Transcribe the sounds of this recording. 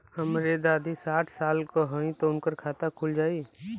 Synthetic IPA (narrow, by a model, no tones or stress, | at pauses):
hɐmɾed̪aːd̪ʱisaːʈʰsaːlkoɦə̃ĩt̪oʊnkəɾkʰaːt̪akʰʊld͡ʒaːiː